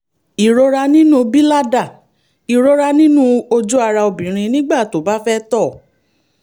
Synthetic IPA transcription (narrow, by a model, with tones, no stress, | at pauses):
i˨ɾo˧ɾa˧nĩ˦nũ˦bi˦la˦da˦˨ | i˨ɾo˧ɾa˧nĩ˦nũ˦o˧d͡ʒu˦a˧ɾa˧o˧bĩ˨ɾ̃ĩ˧nĩ˦ɡ͡ba˦˨to˨˦˨ba˦fɛ˦tɔ˦˨